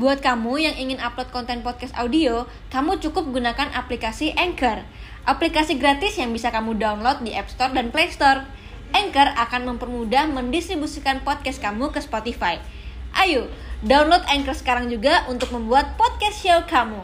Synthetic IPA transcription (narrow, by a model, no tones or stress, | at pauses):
buat̪̚kamujaŋiŋɪnaplot̪̚kɔnt̪ɛnpɔt̪̚kɛst̪audio | kamut͡ʃukʊp̚ɡunakanʔaplikasiʔɛŋkər | ʔaplikasiɡɾat̪ɪsjaŋbisakamudaunlot̪̚diʔɛpst̪ɔrdanplejst̪ɔr | ɛŋkərakanməmpərmudahməndist̪ɾibusikanpɔt̪̚kɛskamukəspot̪ifaj | ʔajudaunlot̪ɛŋkərsə̥kaɾaŋd͡ʒuɡaʔunt̪ʊk̚məmbuat̪̚pɔt̪̚kɛsʃɛlkamu